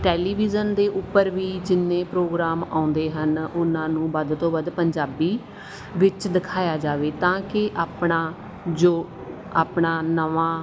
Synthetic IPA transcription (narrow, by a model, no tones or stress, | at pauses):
ʈɛːliːʋiːzənd̪eːʔʊpːəɾʋiːd͡ʒɪnːẽːpɾoːɡɾaːmã̰ːʊ̃nd̪eːɦənʊnãːnũːbəd̪t̪õːbəd̪pəɲd͡ʒaːbiː | ʋɪt͡ʃd̪ɪkʰaːjaːd͡ʒaːʋeːt̪ãːkɪʔaːpɳaː | d͡ʒoː | a̰ːpɳaːnəʋãː